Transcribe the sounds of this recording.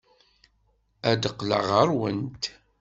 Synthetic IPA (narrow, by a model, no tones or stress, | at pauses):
æd̪əqːlə̰ʁəɾwənt̪